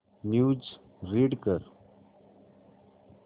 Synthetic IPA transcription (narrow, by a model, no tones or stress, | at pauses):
njuːd͡ʒ | ɾiːɖkəɾ